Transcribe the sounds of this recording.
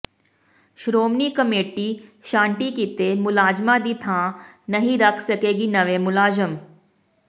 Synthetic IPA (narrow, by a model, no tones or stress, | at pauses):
ʃɾoːmnikɐmeːʈiʃãːɳʈikit̪emʊlaːd͡ʒmad̪it̪ʰãː | nɐɦĩɾɐkʰsɐkeːɡinɐʋemʊlaːd͡ʒəm